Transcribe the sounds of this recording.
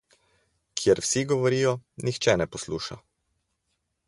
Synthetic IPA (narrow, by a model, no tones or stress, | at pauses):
kʰjɛɾwsiɡɔʋɔɾiːjɔnixt͡ʃɛnɛpɔsluːʃa̰